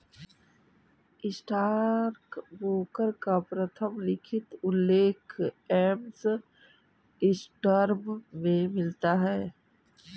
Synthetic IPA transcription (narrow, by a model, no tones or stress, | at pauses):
ɪsʈaːɾkboːkəɾkapɾət̪ʰəmlɪkʰɪt̪ʊlːeːkʰeːms | ɪsʈəɾmmẽmɪlt̪aɦɛː